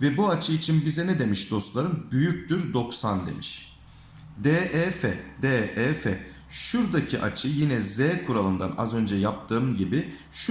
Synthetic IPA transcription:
vɛbuat͡ʃʰɯit͡ʃʰinbizɛnɛd̪e̞miʃd̪o̞st̪lˠaɾɯnbyjyc̚d̪yɾd̪o̞ksand̪ḛmiʃ | d̪ɛːʔɛːfɛd̪ɛɛːfɛ | ʃuɾd̪acʰiʔa̰t͡ʃʰɯjinɛzɛːkʰuɾalˠɯnd̪a̰na̰zø̞nd͡ʒɛjap̚t̪ʰɯːmɟibi | ʃ

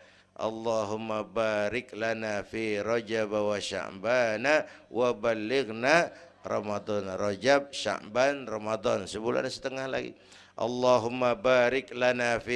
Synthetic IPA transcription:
ʔɑ̰lːɑɦʊmːabaɾɪklanafiɾɔd͡ʒabawaʃa̰ʔbanawʔabalːɪɡna | rɑmad̪ɔnrɔd͡ʒab̚ʃa̰ʔbanrɑmad̪ɔnsəbula̰nasə̥t̪əŋahla̰ɡḭ | ʔɑ̰lːɑɦʊmːabaːɾɪklanafi

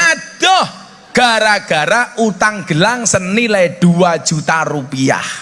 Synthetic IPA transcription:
ʔad̥ɔh | ɡ̥a̤ɾaɡ̥a̤ɾaʔut̪aŋɡ̥əlaŋsənilɛd̪̥uḁd͡ʒ̥ṳt̪aɾupia̰h

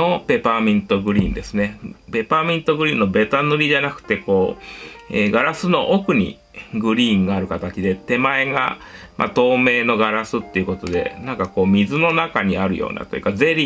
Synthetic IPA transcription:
o̞pe̞pamʲĩnt̪o̞ɡɯ̟ɾʲḭːnd̪e̞sɨne̞pe̞pamʲĩnt̪o̞ɡɯ̟ɾʲiːnːo̞be̞t̪anɯɾʲiʑanakɯ̟̥t̪e̞ko̞ː | ḛːɡaɾasɨno̞ʔokɯ̟ɲ̟ḭ | ɡɯ̟ɾʲiːŋɡaːɾɯ̟kat̪at͡ɕid̪e̞t̪e̞mae̞ɡa̰ | mʔa̰t̪o̞ːme̞ːno̞ɡaɾasɨt̪ːe̞iɯ̟kot̪o̞d̪e̞̰nãŋkako̞ːmʲizɨno̞nakaɲ̟iaɾɯ̟jo̞̰ːna̰t̪o̞jɯ̟kaze̞ɾʲi

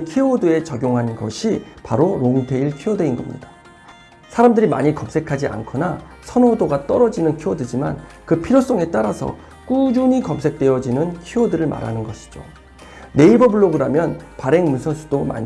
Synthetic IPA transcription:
kʰiodɯe̞t͡ɕaɡjoŋɦanɡʌ̰ɕʰipaɾoɾoŋtʰe̞iɭkʰiodeinɡʌmɲḭda | sʰaɾamdɯɾima̰ɲikʌms͈ʰe̞kʰad͡ʑiʔa̰nkʰona | sʰʌnodoɡat͈ʌɾʌd͡ʑinɯnkʰiodɯd͡ʑima̰nkɯpʰiɾjos͈ʌŋe̞t͈aɾasʰʌ̰ | k͈ud͡ʑuɲikʌmsʰe̞k̚t͈we̞jʌd͡ʑinɯnkʰiodɯɾɯɭma̰ɾa̰nɯnɡʌɕʰi̥d͡ʑo̰ | ne̞ibʌbuɭːoɡɯɾamjʌnpaɾe̞ŋmunsʰʌnsʰu̥doma̰ɲi

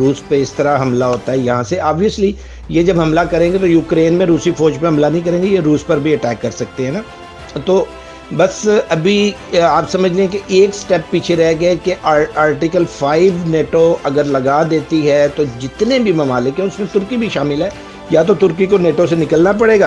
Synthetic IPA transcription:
ɾuːspeɪst̪ɐɾaɦɐmlaɦoːt̪aɦɛjɐɦãseaːbiəsli | jed͡ʒɐbɦɐmlakɐɾẽːŋɡet̪ojuːkɾeːnmẽɾuːsifɔːd͡ʒpẽɦɐ̃mlanɐɦĩkɐɾẽːŋɡejeɾuːspɐɾbʱiɐʈɛːkːɐɾsɐk̚t̪eɦɛ̃naː | t̪oː | bɐsɐbʱiaːpsɐməd͡ʒʱleẽkeʔeːksʈɛpːiːt͡ʃʰeɾɐɦeɡɐekeʔaaːɾʈɪkəlfaːɪʋneːʈoɐɡəɾlɐɡad̪eːt̪iɦɛt̪od͡ʒɪt̪nebʱimɐmaːlɪkɦɛ̃ʊsmẽt̪ʊɾkibʱiʃaːmɪlɦɛ | jat̪̬ot̪ʊɾkikoneːʈosenɪkəlnap̬ɐɽeːɡaː

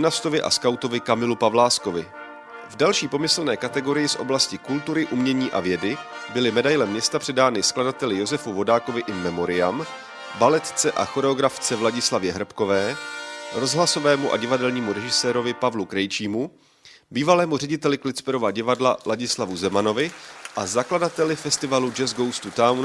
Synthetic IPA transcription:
nast̪o̞vɪʔa̰skawt̪o̞vɪkamɪlupavlaːsko̞vɪ̰ | vdalʃiːpo̞mɪsl̩nɛːkat̪ɛɡo̞ɾɪjɪsʔo̞̰blascɪkult̪uɾɪʔumɲɛɲiːʔa̰vjɛdɪbɪlɪmɛdajlɛmːɲɛst̪apr̝̥ɛdaːnɪskladat̪ɛlɪjo̞zɛfuvo̞daːkovɪʔɪmɛmo̞ɾɪjam | balɛt̪t͡sɛʔa̰xo̞ɾɛo̞ɡɾaft͡sɛvlaɟɪslavjɛɦɾr̩pko̞vɛːɾo̞zɦlaso̞vɛːmuʔa̰ɟɪvadɛlɲiːmuɾɛʒɪsɛːɾo̞vɪpavlukɾɛjt͡ʃiːmu | biːvalɛːmur̝ɛɟɪt̪ɛlɪklɪt͡spɛɾo̞vaɟɪvadlalaɟɪslavuzɛmano̞vɪʔazakladat̪ɛlɪfɛst̪ɪvalud͡ʒɛzɡo̞wst̪ut̪awn

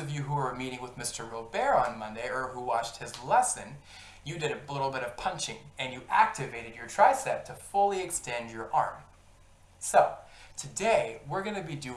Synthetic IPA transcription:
ʌvjɨɦuə˞miɾɪ̃ŋwəðmɪstə˞ɹobɛɹə̃nmʌ̃ndeɪə˞huwɑt͡ʃt̚hɨzlɛsɨ̃n | jɨdɨɾɨlɪɾl̩ˠbɪɾʌv̥pʰʌ̃nt͡ʃɪ̃ŋɨ̃njɨʔæk̚tɨveɪɾɨdjə˞tʰɹ̥aɪsɛt̚tʰɨfʊlˠiɨkstɛ̃ndjə˞ʔɑ̰ɹm | soʊtʰɨdeɪwɪɹɡʌnɨbidʉ

